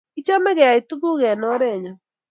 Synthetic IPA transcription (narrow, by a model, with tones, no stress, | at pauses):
i˦t͡ʃɔ˦mɛ˦ɣɛ˨a˨itu˦ðu˦ɣɛ˨nɔ˦ɾɛ˦˨ɲa˨